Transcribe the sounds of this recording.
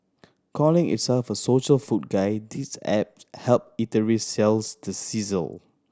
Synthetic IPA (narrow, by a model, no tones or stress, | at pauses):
kʰɔlɪ̃ŋʔḭtsɛlfəsoʃəlfut̚ɡaɪdisɛ̰p̚hɛlp̚itəɹisɛlsdəsizə̰l